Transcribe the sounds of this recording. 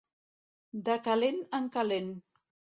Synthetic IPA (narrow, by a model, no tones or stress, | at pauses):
d̪əkalenəŋkalen